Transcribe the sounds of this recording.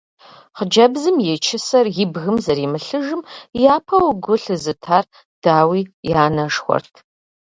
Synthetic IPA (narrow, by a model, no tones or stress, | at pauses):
χəd͡ʒɐbzɨmjɛt͡ʃʰɪsɐrjɪbɣɨmzɐɾimɨɬɨʒɨmjaːpʰɐwɡʷʊɬɨzɨtʰaːr | d̥aːwiːjaːnɐʂxʷɔ̰rtʰ